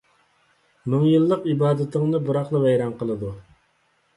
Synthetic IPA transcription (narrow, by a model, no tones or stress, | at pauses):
mɪŋjilˠːəqibɑːd̪ɪt̪ʰɪŋnɨbuɾɑχlˠɨvɛjɾɑnqʰəlˠɨd̪u